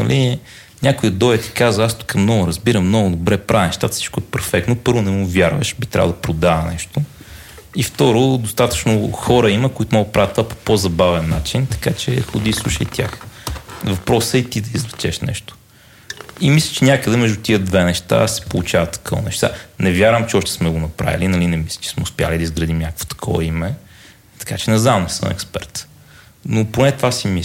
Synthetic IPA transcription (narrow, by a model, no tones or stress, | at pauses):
nɐ̰li | nʲakʊjɐd̪ɔjət̪i̥kazvəast̪u̥kɐmnɔɡʊɾɐzbiɾəmːnɔɡʊd̪obɾɛpɾainɛʃt̪at̪ə̥si̥t͡ʃkʊɛpɛɾfɛk̚t̪nopɤɾvʊnɛmuvʲjaɾvə̰ʃbit̪ɾʲa̰v̰lˠd̪pɾod̪aənɛʃt̪o | ift̪ɔɾod̪ost̪at̪ə̥t͡ʃnoxɔɾəiməkʊit̪ʊmɔɡəd̪ɐpɾavɐt̪ovapo̥pozɐbavɛnːat͡ʃint̪ɐ̥kat͡ʃɛ̰xʊd̪islˠuʃə̰it̪ʲja̰x | vɐpɾɔsəit̪id̪ɐizlɛt͡ʃɛʃnɛ̰ʃt̪o̥ | imislʲə̥t͡ʃɛnʲakəd̪ɛmɛʒd̪ut̪iəd̪vɛnɛʃt̪a̰sɛ̥polˠut͡ʃavɐt̪ːɐ̥kʰɔv̰nɛʃt̪a̰nɛvʲjaɾvəmt͡ʃɛɔʃt̪ɛ̥smɛɡonɐpɾʔa̰vʲḭlinɐlinɛmislʲɐ̥t͡ʃɛ̥smɛʊspja̰lid̪ɐizɡɾɐd̪imnʲakəkvo̥t̪ɐ̥kʰɔ̰vɐ̰imɛ | t̪ɐ̥kat͡ʃɛnɐznamnɛsə̰mɛ̰kspɛ̰ɾt̪ | noponɛt̪vasimi